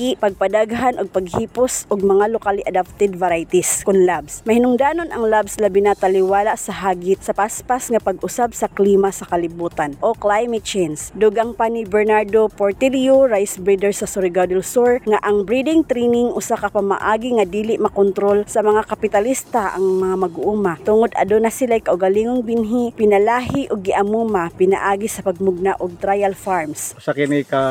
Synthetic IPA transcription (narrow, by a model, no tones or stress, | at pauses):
ɪpɐɡ̚pad̪aɡɦanʔʊɡ̚paɡhiːpʊsʔʊɡ̚mɐŋalokalɪʔad̪ap̚t̪ɛd̪̚vaɾajt̪iskʊnlabsmɐhɪnʊŋd̪aːnonaŋlabslɐbɪnat̪alɪwaːlaʔsɐɦaːɡɪt̪̚sɐpaspasŋapaɡʔʊsabsɐkliːmasɐkɐlɪbuːt̪anʔoklajmɛt̪̚t͡ʃɛjnsd̪ʊɡaŋpanibɛɹnaɹd̪opoɹt̪ilioɾajsbɹid̪ɛɹsɐsʊɾɪɡad̪ɛlsoɹŋaʔaŋbɾid̪ɪŋt̪ɾinɪŋʔʊsakapama̰ʔaːɡiŋad̪iːlɪʔmɐkʊnt̪ɾolsɐmɐŋakapɪt̪alist̪aʔa̰ŋmɐŋamɐɡʊʔumat̪ʊŋʊd̪a̰d̪onasɪlajkaʔʊɡaliːŋʊŋbɪnɦipɪnalaːɦiʔʊɡ̚ːɪʔamuːmapɪna̰ʔaːɡisɐpaɡ̚mʊɡ̚naʔʊɡ̚t̪ɾajalfaɹmssakɪnika